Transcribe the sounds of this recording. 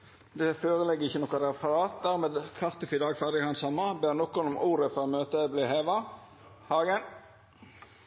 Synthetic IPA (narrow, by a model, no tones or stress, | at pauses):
d̪ɛføːʁəlɛɡːəʁɪçənɔkəɾɛfəɾɑːt̪̚d̪æʁmeːd̪kʰɑʁt̪ʉfɪd̪ɑːɡfæʁd̪ɪəhɑnsɑmːɑbeːʁnɔkːʊnʊmʔuːɾəfɔɾomøːt̪əbliːheːʋɑ | hɑːɡən